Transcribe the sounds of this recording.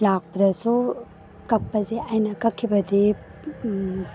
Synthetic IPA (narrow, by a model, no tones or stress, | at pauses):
lak̚pɐdɐsu | kɐk̚pɐzeʔajnɐkɐkʰːibɐdi